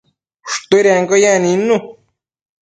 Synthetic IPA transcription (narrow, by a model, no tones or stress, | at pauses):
ʂt̪uiɾeŋɡojãnĩnũ